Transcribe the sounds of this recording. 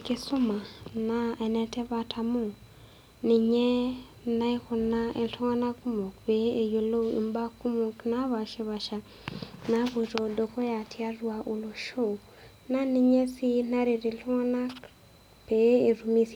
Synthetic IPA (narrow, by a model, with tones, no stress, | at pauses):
ke˦sʊ˦ma˨na˦ɛ˨nɛ˨tɛ˦βa˨tʰa˨mo˦ | ni˨ɲɛ˦ | na˦i˦kʊ˨na˦e˨ɬɔ˦ŋa˦na˦ku˦mo˨kpe˨˦e˨jo˨lo˦ḭ˨mba˦ku˦mo˨kna˦βa˨ʃe˦βa˨ʃa˨ | na˦βo˨ɾo˨do˨ko˦ja˨tʰi˦a˦ɾwa˨ʔo˨lo˨ʃo˦˨ | na˦ni˨ɲɛ˦si˦na˦ɾe˨ɾi˨ɬu˦ŋa˦na˦k | pe˨˦e˨ɾu˨mi˦s